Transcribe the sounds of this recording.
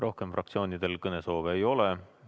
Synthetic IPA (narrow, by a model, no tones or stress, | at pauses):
rʔo̞hke̞mfrʔɑ̰k̚t̪sio̞ːnid̪̥e̞lkɤne̞so̞ːveːjo̞le